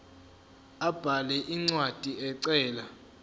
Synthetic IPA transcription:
ab̥ʱalɛʔiŋ͡ǀwad̥ʱiɛǀɛːla

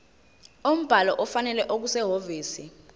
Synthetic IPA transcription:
om̩b̥ʱalɔʔɔfanɛlɛʔok̬usɛɦoviːsi

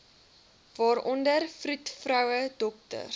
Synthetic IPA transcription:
vɑːɾɔndərfrutfrœwədɔk̚tə̰r

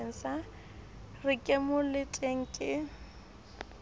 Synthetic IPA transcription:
n̩sa | rɪkʼɪmʊlɪtʼeŋ̩kʼɪ

